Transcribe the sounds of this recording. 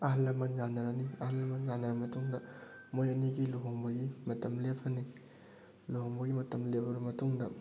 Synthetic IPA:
ɐɦɐlːɐmɐnjanɐɾɐniɐhɐlːɐmɐnjanɐɾɐmɐtuŋdɐ | mojɐniɡiloɦoŋbɐɡimɐtɐmlepʰɐni | loɦoŋbɐɡimɐtɐmlebɐɾɐmɐtuŋdɐ

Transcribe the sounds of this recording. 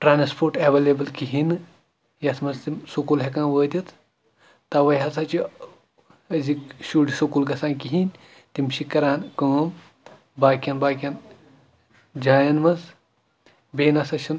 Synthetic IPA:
ʈɾaːnspʰoːɾʈeʋelebɐlkiɦinɨ | jɐsmɐst̪imsukulɦekãːnʋəːt̪ʲit̪ʰ | t̪ɐʋɐjɦɐsɐt͡ʃi | ɐzikʃuɖsukulɡɐsãːnkiɦinʲ | t̪imʃikɐɾaːnkəːm | baːkʲɐnbaːkʲɐn | d͡ʒaːjɐnmɐz | beːnɐsɐʃʰin

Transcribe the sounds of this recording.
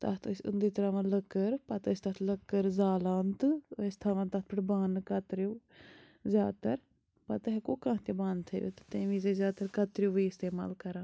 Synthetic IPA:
t̪ɐt̪ʰsʊ̰nd̪iːt̪ɾaːʋãnləkːəɾpɐt̪st̪ɐt̪ʰləkːəɾzaːlaːnt̪est̪ʰaːʋãːnt̪ɐt̪̚ʰpʰəʈbaːnkɐt̪ɾjuː | zjaːd̪t̪əɾ | pɐt̪ɐɦekoːkãːt̪ebaːnt̪ʰḛːʋḛt̪t̪eːʋĩzeːzjaːt̪əɾkɐt̪ɾjuːʋiːɪst̪eːma̰ːlkɐɾãː

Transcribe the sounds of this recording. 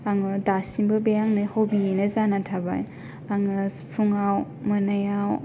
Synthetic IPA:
aŋɯdasimbɯbejaŋnɯhowbienɐzanatʰaba̰j | aŋɯ | pʰuŋaw | mɐnajaw

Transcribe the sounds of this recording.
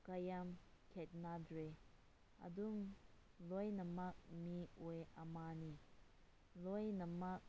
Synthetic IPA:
kajamkʰɛt̚nadɾe | a̰dum | lojnamak̚miɔjamani | lojnamak̚

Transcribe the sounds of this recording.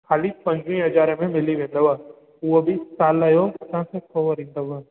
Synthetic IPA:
kʰaːlipɐ̃ɲd͡ʒʋĩɦɐd͡ʒaːɾemẽmɪliʋẽːnd̪əʋaː | uobʱisaːlajot̪ãːsekoːʋəɾĩːnd̪əʋaː

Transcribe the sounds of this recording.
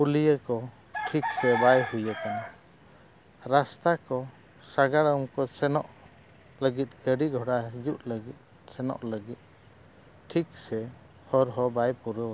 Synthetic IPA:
pulijəkɔ | ʈʰik̚sɛbajhujəkana | ɾast̪akɔ | saɡaɽəmkɔsɛnɔʔ | ləɡit̪̚ˀɡəɽiɡʱɔɽaɦijuʔləɡit̪̚ | sɛnɔ̰ʔləɡit̪̚ | ʈʰiksɛ | hɔɾɦɔbajpuɾəwa

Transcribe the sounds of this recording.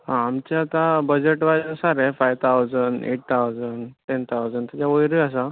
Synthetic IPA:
ɦãːmt͡ɕeat̪abəd͡ʑeʈʋad͡ʑnsaɾefajʋt̪ʰawd͡zəɳɖḛʈ̚t̪ʰawd͡zəɳɖʈent̪ʰawd͡zəɳɖt̪jat͡ɕaʋəjɾias̬a

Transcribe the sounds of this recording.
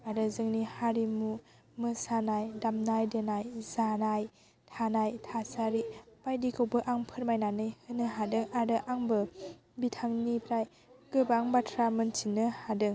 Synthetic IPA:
aɾɯzɯŋnihaɾimu | mɯsanajdamnajdenajzanaj | tʰanajtʰasaɾipajdikʰɯwbɯʔaŋpʰɯɾmajnanɯjhɯnɯɦadɯŋaɾɯʔaŋbɯ | bitʰaŋnipʰɾaj | ɡɯbaŋbatʰɾamɯntʰinɯhadɯŋ

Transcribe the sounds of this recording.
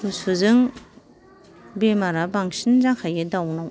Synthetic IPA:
usuzɯŋ | bemaɾabaŋsinzaŋkʰajɯdawnaw

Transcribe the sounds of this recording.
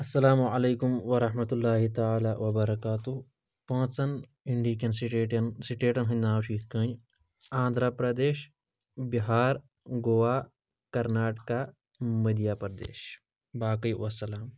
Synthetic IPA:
ɐsːɐlaːmuɐleːkʊmʋɐɾɐɦmɐt̪lːaːɦit̪ɐaːlaːʋɐbɐɾɐkaːt̪u | pɐ̃ːt͡sɐn | ɪɳɖiːkɐnsiʈeʈnsiʈeːʈɐnɦɐ̃nd̪aːwt͡ʃʰiːt̪ʰkə̃ɲ | ãːnd̪ʱɾapɾɐd̪eːʃ | biɦaːɾ | ɡoʋaː | kɐɾnaːʈka | mɐd̪jaːpɐɾd̪ḛːʃ | baːkɐjʋɐsɐlaːm

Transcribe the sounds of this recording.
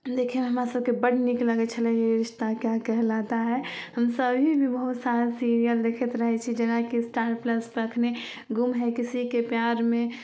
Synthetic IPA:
d̪ekʰemɦəmɾasəb̚kebəɽnikləɡɛt͡ʃʰəlɛjeɾɪʃt̪akjakɛɦɛlat̪aɦɛɦəmsəbʱibʱibəɦut̪saɾsiɾijəld̪ekʰɛt̪ɾəɦɛt͡ʃʰid͡ʒenakisʈaːɾpləspəɾəkʰne | ɡumɦɛkisikepjaɾmẽ

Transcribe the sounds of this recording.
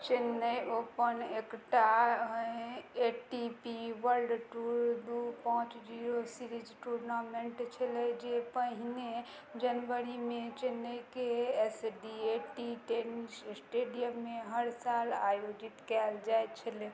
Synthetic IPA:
t͡ʃenːəjopənekʈaɦeʈipiʋəɾlɖʈuɾd̪upãt͡ʃd͡ʒiɾosiɾid͡ʒʈuɾnameɳʈt͡ʃʰəlɛd͡ʒepəɦine | d͡ʒənʋəɾimet͡ʃenːəjkeesɖieʈiʈenssʈeɖijəmːeɦəɾsala̰jod͡ʒit̪kɛld͡ʒaet͡ʃʰəle

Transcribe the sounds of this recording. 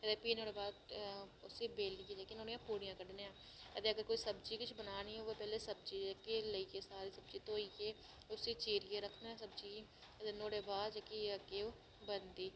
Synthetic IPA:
əd̪eːpiːnoːɽeːbaːd̪ʊsibeːlied͡ʒaːkenoːɽijãːpuːɽijãːkəɖneːãː | əd̪eːəɡəɾkoːiːsəbt͡ʃiːkʊt͡ʃʰbənaːniɛʋopɛːlesəb̚t͡ʃiːd͡ʒkeləikesaːɾiːsəb̚t͡ʃit̪oːikeː | ʊsit͡ʃeːɾɪjeɾəkʰneɛ̃səbt͡ʃiː | əd̪eːnoːɽeːbaːd̪d͡ʒaːkiəkeo | bənd̪iː

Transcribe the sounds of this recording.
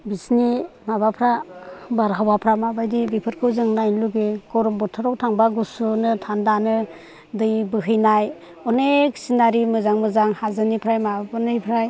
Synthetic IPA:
bisnimaβapʰɾabaɾɦawapʰɾamabajdibipʰɯɾkʰɯwzɯŋnajnluɡeɡ̥ɔɾɔmbɔtʰaɾawtʰaŋbaɡusunɯtʰandanɯ | dɯjbɯɦɯjnaj | ɔneksinaɾimɯzaŋmɯzaŋhazɯnipʰɾajmababɯnɯjpʰɾaj

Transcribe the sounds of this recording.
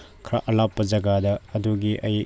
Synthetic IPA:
kʰɾa̰ʔɐlapːɐd͡ʒɐɡadɐːduɡiʔɐj

